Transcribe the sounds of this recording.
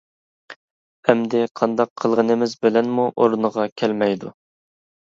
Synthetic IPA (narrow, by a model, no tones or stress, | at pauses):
ɛmd̪ɪqʰɑnd̪ɑqʰːəlˠʁənɨmɪzbɪlɛnmuʔoɾnəʁɑkʲʰɛlmɛjd̪u